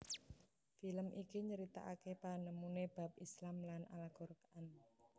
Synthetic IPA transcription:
filəmʔikiɲəɾit̪a̰ʔakepanəmuneb̥a̤p̚islamlanʔa̰laɡ̥ɔrkaʔan

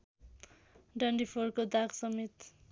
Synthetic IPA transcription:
ɖʌɳɖipʰorkod̪aɡsʌmit̪

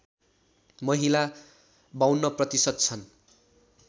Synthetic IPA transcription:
mʌɦila | bawnːʌprʌt̪isʌt̪̚t͡sʰʌn

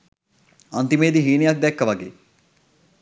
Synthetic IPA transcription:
ɐnt̪imeːd̪iɦiːnijɐk̚d̪ɛkːəʋɐɡḛː

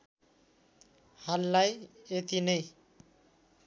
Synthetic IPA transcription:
halːajet̪inʌj

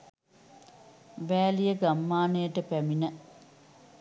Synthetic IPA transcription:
ʋæːlijəɡamːaːnəjəʈəpæminə

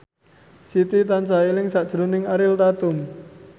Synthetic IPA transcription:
sit̪it̪ansailɪŋsaʔd̥ʒ̥ɾo̤nɪŋaɾɪlt̪at̪ʊm

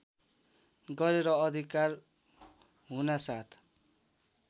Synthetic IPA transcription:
ɡʌɾeɾʌːd̪ʱikar | ɦunasat̪ʰ

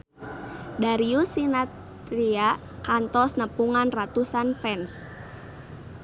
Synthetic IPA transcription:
daɾiusinat | ɾia | kant̪ɔsnəpuŋanrat̪usanfɛns

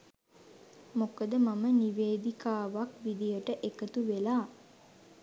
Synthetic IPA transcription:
mokəd̪əmaməniʋeːd̪ikaːʋakʋid̪ijəʈəʔekət̪uʋelaː

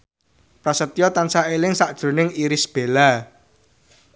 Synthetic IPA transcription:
pɾasət̪jɔt̪ansaelɪŋsaʔd̥ʒ̥ɾṳnɪŋiɾɪsb̥e̤la

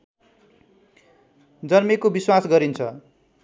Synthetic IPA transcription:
d͡zʌrmekobiswasɡʌɾint͡sʰʌ

